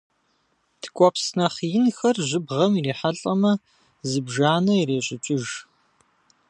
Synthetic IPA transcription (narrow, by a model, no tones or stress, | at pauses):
tʰkʷʼɔpsnɐχjɪnxɐrʑʷɪbʁɐmireːħaɬʼɐmɐ | zɨbʒaːnɐjireːɕʼɪt͡ʃʷʼʊʒ